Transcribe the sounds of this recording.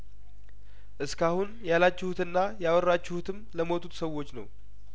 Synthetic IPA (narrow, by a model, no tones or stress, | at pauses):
ʔɨskahunjalat͡ʃːɪhut̪ɨnːajawərːat͡ʃːɪhut̪ʰɨmləmo̞t̪ʰut̪səwːo̞t͡ʃːnə̰w